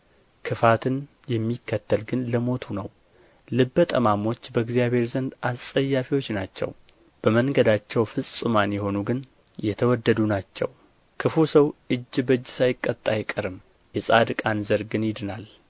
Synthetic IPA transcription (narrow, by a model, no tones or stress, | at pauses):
kʰɨfat̪ʰɨn | jɛmːikːət̪ːəlɡɨnləmo̞t̪ʰunəw | lɨbːət̪ʼəmamo̞t͡ʃːbəɡzijaβhe̞ɾzənd̪assʼəjːafiwo̞t͡ʃːnat͡ʃːɛ̰w | b̥əməŋɡəd̪at͡ʃːɛwfɨsʼsʼumanjɛho̞nuɡɨn | jɛt̪ʰəwɔd̪ːəd̪unat͡ʃːɛ̰w | kʰɨfusəwʔɨd͡ʒːbəd͡ʒːsajɪkʼːət̪ʼːajɪkʼːəɾɨm | jɛsʼad̪ɨkʼanzəɾɡɨnjɪd̪ɨnal